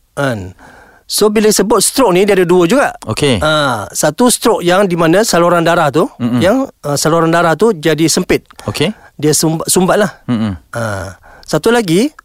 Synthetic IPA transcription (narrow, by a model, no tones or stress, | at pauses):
ʔən | sobiləisəbʊt̪̚st̪ɾɔk̚nidiadəduəd͡ʒuɡaʔo̰keəsat̪ust̪ɾɔk̚jaŋdimanəsaloɾandaɾaht̪ujaŋəsaloɾandaɾaht̪ud͡ʒadisəmpɪt̪̚okediəsumbsumbat̪̚lah̩əsat̪ulaɡi